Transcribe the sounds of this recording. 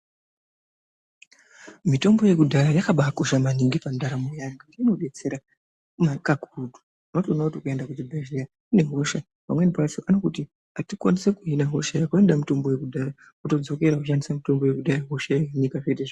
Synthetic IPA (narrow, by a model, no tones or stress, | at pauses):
mito̞mbo̞je̞kudʱaɾajakaɓakoʃamaniŋɡipandaɾamujaŋɡautiino̞ɓet͡se̞ɾa | makakuudʱu̥ | notonoːtokue̞ndakud͡zibʱeʒeja | uneɦo̞ʃa | pamwenipasoʔanokuti | atikwanisekuinaɦo̞ʃajakue̞ndamito̞mbo̞jekudʱara | uto̞d͡zo̞ke̞ɾakuʃandisamito̞mboje̞kudaɾaɦo̞ʃajeeɲikaʐeteʐ